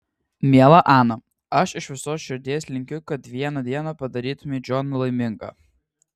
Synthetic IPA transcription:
mʲiɛlˠɐʔɑːnɐ | ɐʃɪʃʋʲɪsoːsʃʲɪɾʲd̪ʲeːsʲlʲɪŋʲkʲʊkɐt̪ʋʲiɛnɐd̪ʲiɛnɐpɐd̪ɐɾʲiːt̪ʊmʲeːd͡ʒʲɔnlˠɐɪmʲɪŋɡɑ̰ː

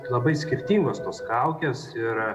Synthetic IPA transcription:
lˠɐbɐɪsʲkʲɪɾʲt̪ʲiːŋɡost̪oːskɐʊkʲesɪɾ

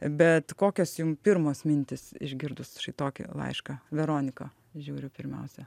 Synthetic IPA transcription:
bʲɛt̪koːkʲoːsjʊmpʲɪrmoːsmʲɪnʲt̪ʲɪsɪ̰ʒʲɡʲɪrd̪ʊsʃɐɪt̪oːkʲɪ̰lˠɐ̰ɪʃkɐʋʲɛɾoːnʲɪkɐ | ʒʲuːɾʲʊpʲɪɾʲmʲɛ̰ʊsʲɛ

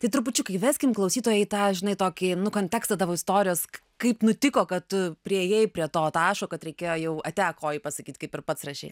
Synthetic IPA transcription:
t̪ɐɪt̪ɾʊpʊt͡ʃʲʊkɐɪʋʲæːsʲkʲɪmklˠɐʊsʲiːt̪oːjɛɪt̪ɑːʒʲɪnɐɪt̪oːkʲɪnʊkoːnʲt̪ʲæːkst̪ɐd̪ɐʋoːɪst̪oːɾʲɪjoːs | kɐɪpnʊt̪ʲɪkoːkɐt̪tʊpʲɾʲiejeːjpʲɾʲiɛt̪oːt̪ɑːʃoːkɐt̪ɾʲɛɪkʲeːjoːjɛʊɐt̪ʲæːkʰoːjɪpɐsɐkʲiːt̪ʲkɐɪpɪrpɐt̪srɐʃʲɛ̰ɪ

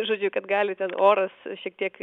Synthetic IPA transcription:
ʒoːd͡ʒʲʊkɐt̪ɡɑːlʲɪt̪ʲɛnoːɾɐsʃʲiɛk̚t̪ʲiɛk

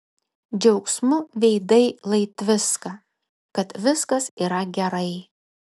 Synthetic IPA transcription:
d͡ʒʲɛʊksmʊʋʲɛɪd̪ɐɪlˠɐɪt̪ʋʲɪskɐ | kɐt̪ʋʲɪskɐsiːɾɐɡʲɛɾɐɪ

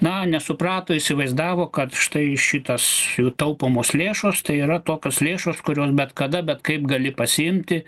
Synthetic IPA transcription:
nɐnʲɛsʊprɑːt̪oːisʲɪʋɐɪzd̪ɑːʋoːkɐt̪ʃt̪ɐɪʃʲɪt̪ɐsjuːt̪ɐʊpoːmoːslʲeːʃoːst̪ɐɪiːɾɐt̪oːkʲoːslʲeːʃoːskʊɾʲoːsbʲɛt̪kɐd̪ɐbʲɛt̪kɐɪpɡɐlʲɪpɐsʲɪɪmʲt̪ʲɪ

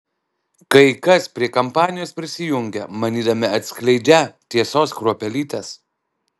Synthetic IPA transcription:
kɐɪkɐspʲɾʲiɛkɐmpɑːnʲɪjoːspʲɾʲɪsʲɪjʊŋʲɡʲɛmɐnʲiːd̪ɐmʲɪɐt̪ʲsʲklʲɛɪd͡ʒʲɛt̪ʲiɛsoːskɾuɔpʲɛlʲiːt̪ʲes

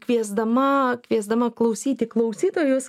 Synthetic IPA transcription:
kʋʲiɛzd̪ɐmɐkʲʋʲiɛzd̪ɐmɐklˠɐʊsʲiːt̪ʲɪklˠɐʊsʲiːt̪oːjʊs

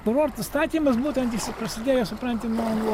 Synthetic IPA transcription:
kʊɾoːɾt̪ɐst̪ɑːt̪ʲiːmɐsbuːt̪ʲɛnt̪ɪsʲɪpɾɐsʲɪd̪ʲeːjosʊpɾɐnʲt̪ʲɪnoːnu

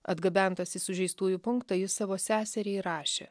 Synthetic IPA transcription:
ɐd̪ɡɐbʲɛnt̪ɐsʲɪsʊʒʲɛɪst̪uːjupʊŋkt̪ɐjɪsɑːʋoːsʲæːsʲɛɾʲɛɪɾɑːʃʲḛː

